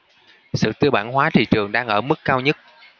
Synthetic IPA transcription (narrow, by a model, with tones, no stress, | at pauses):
sɨ̰˧˨t̪ɨ˧ɓaː˧˩nɦwaː˨˦t̪ʰḭ˧˨t͡ɕɨ˨˩əŋɗaː˧ŋʔəː˧˩mɨ˦˥kːaː˧wɲə˦˥t̚